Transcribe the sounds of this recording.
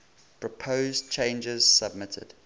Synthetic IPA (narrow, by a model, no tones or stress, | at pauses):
pʰɹɔpʰoʊzt͡ʃʰẽɪ̃nd͡ʒəz̥səb̚mɪtʰə̰d̥